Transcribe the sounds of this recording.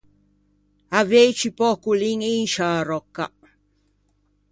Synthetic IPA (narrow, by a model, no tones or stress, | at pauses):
avejt͡ʃipokuliŋinʃaɾokːa̰ʔ